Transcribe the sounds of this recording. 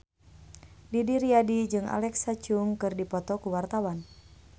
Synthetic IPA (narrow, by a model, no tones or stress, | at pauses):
didiɾiadid͡ʒɨŋa̰lɛksat͡ʃuŋkɨrdipɔt̪ɔkuwart̪awan